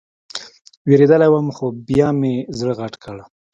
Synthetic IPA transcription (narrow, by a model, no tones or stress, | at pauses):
weɾed̪əlajwəmxobjɑmezɽɣaʈkəɽa